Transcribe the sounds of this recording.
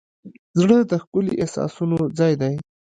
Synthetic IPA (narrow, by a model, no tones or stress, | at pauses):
zɽəd̪əxkʊlḭʔesɑ̰sunod͡zɑjd̪aj